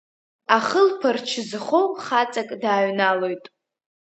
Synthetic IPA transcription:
aχəlpʰart͡ʃʰɪzχowχat͡sʼakʼdaːɥnalojtʼ

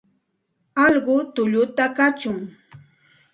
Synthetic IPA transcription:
ɑʎɢʊt̪ʊʎʊt̪akat͡ʃʊŋ

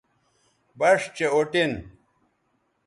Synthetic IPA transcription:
bɐʂt͡ɕeoʈin

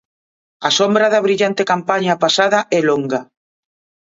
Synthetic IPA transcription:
asombɾaðɐβɾiʎant̪ekampaɲapasaðɐʔɛloŋɡɐ

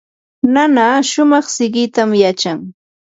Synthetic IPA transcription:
nanaʃʊmɑχsɪɢɪt̪amjat͡ʃaŋ

